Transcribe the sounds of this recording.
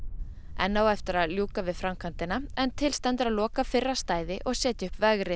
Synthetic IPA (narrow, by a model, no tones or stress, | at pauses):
ɛnːaːwɛft̪ɪɾaðljuːkavɪðfɾamkʰant̪ɪnaɛnt̪ʰɪlst̪ɛnt̪ɪɾaðlɔːkafɪrːast̪aːjðɪʔɔɣsjɛːt̪ɪʏhpvɛɣɾɪ